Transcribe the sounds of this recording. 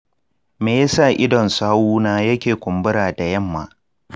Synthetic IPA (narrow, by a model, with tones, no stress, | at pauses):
meː˨ja˦sa˦˨ʔɪ˦dɔ˨nsaː˦wuː˦naː˦jɐ˦kʲeː˨kʷʊ˨mbʊ˦ɾaː˨da˨jɐ˦˨mːa̰ː˨